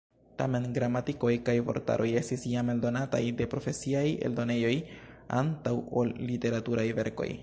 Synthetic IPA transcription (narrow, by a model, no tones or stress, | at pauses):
ta̰me̞nɡɾamatiko̞jkajpo̞̰ɾta̰ɾo̞je̞stisjame̞ldo̞nata̰jde̞pɾo̞fe̞siaje̞̰ldo̞ne̞jo̞ja̰ntawo̞lːite̞ɾatuɾajve̞ɾko̞̰j